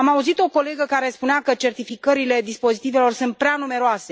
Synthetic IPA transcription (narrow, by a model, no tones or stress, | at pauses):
amauzit̪o̞ko̞le̞ɡəkaɾe̞spuneakət͡ʃe̞rt̪ifikəɾile̞d̪ispo̞zit̪ive̞lo̞rsunt̪̚pɾeanume̞ɾoasse̞